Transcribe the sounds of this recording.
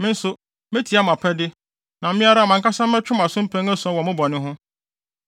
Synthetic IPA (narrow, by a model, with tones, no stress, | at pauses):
mɪ̃˦n̩˦sʊ˨ | me˦tʰi˨a˦m˨ã˨pʰɛ˦dɪ˦ | nã˨m̩˦mɪ̃˦a˦ɾa˦˨mã˨ŋ˦ka˦sã˦m̩ː˦ɛ˦t͡ɕᶣʊ̃˦ma˨sʊ̃˦m̩˦pʰɛ̃˦ŋɛ˦sɔ̃˨˦wɔ˨mʊ̃˦bɔ˨nɪ̃˦ɦʊ̃˦